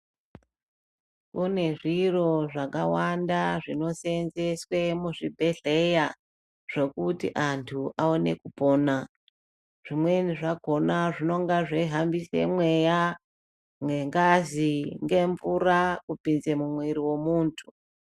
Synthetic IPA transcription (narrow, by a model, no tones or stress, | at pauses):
une̞ʐiro̞ʐakawandaʐino̞senze̞swe̞muʐibʱe̞ɮe̞ja | ʐ̥o̞kutḭʔantʰuaone̞̰kupo̞ːna | ʐ̥imwe̞niʐako̞naʐino̞ŋɡaʐeɦambisḛmwe̞ja | ŋɡeŋɡaziŋɡe̞ɱvurakupinze̞mumweɾiwo̞muːntʰu̥